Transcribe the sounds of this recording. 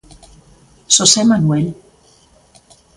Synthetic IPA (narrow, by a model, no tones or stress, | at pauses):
sosemanuel